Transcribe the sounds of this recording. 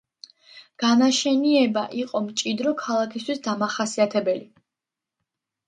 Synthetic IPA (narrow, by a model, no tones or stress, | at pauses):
ɡ̥anaʃɛniɛbaʔiqʼɔmt͡ʃʼid̪ɾɔkʰalˠakʰist̪ʰwisd̪amaχasiat̪ʰɛbɛli